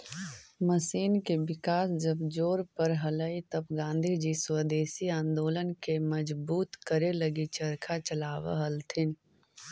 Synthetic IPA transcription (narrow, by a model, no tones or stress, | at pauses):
məsiːnkebɪkaːsd͡ʒəbd͡ʒoːɾpəɾɦələit̪əbɡãːnd̪ʱid͡ʒiswəd̪eːsiãːnd̪oːlənkeməd͡ʒbuːt̪kəɾeləɡit͡ʃəɾkʰat͡ʃəlaːwa̰ɦəlt̪ʰɪn